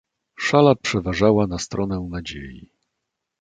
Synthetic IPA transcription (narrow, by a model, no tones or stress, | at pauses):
ʂalapʂɛvaʐawanast̪ɾɔnɛnad͡ʑḛjḭ